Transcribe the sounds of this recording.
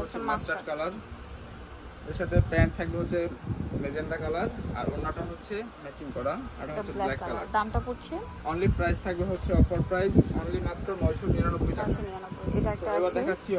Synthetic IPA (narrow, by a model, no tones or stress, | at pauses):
ot͡ɕʰemasaɖkalaɾ | eɾʃat̪ʰepɛɳʈ̚t̪ʰak̚beɦotːɕʰeled͡ʑeɳɖakalaɾa̰ɾonːaʈaɦotːɕʰemɛt͡ɕinkɔɾaaʈaɦot͡ɕʰːeblɛkːalaɾd̪amʈapoɾt͡ɕʰe | ɔnlipɾajzt̪ʰak̚beɦotːɕʰeɔfaɾpɾajzɔnlimat̪ːɾonɔjʃoniɾanobːojʈakabet̪oebad̪ɛatːɕʰi